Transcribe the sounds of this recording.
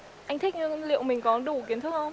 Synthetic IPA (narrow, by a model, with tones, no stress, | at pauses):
ʔa˧jt̪ʰi˦˥k̟̚ɲɨ˧lḭ˧˨əwmï˨˩ŋ̟kɔ˨˦nɗu˧˩ki˨˦ənt̪ʰɨ˦˥k̚hə˧wŋ͡m